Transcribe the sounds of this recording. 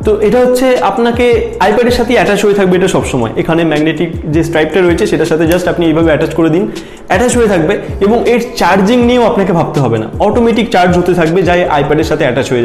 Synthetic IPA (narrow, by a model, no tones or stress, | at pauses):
t̪oʔeʈaɦotːɕʰea̰pnakeajpɛɖeɾʃat̪ʰeiɛʈat͡ɕɦoet̪ʰak̚beeʈaʃɔbʃɔmɔ̰eʔekʰanemɛɡneʈikd͡ʑesʈɾajp̚ʈaɾoet͡ɕʰeʃeʈaʃat̪ʰed͡ʑasʈapniejbʱabeɛʈat͡ɕkoɾed̪in | ɛʈat͡ɕɦojet̪ʰak̚beeboŋeɾt͡ɕaɾd͡ʑiŋnieoapnakebʱab̚t̪eɦɔbena̰ɔʈomeʈikt͡ɕaɾd͡ʑɦot̪et̪ʰak̚bed͡ʑaeʔa̰jpɛɖeɾʃat̪ʰeɛʈat͡ɕɦoea